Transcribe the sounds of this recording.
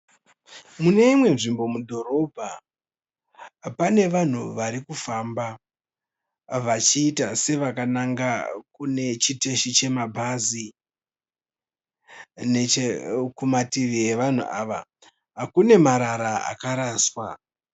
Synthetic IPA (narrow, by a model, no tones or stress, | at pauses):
mune̞imwe̞nʐimbo̞mudʱo̞ɾo̞bʱa | pane̞ʋan̤uʋaɾikufamba | ʋat͡ʃiːtase̞ʋakanaŋɡakune̞t͡ʃite̞ʃit͡ʃe̞mabʱazi | net͡ʃekumatiʋieʋan̤ṵʔa̰ːʋa | ɦakune̞maɾaɾaa̰kaɾaːswa